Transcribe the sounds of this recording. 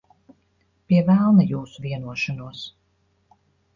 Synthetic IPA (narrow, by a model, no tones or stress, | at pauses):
piɛvælˠnajuːsuviɛnuɔʃanuɔs